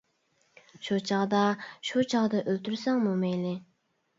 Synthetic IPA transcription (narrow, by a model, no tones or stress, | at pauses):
ʃut͡ʃʰɑʁd̪ɑʃut͡ʃʰɑʁd̪ɑʔølt̪yɾsæŋmumejlɪ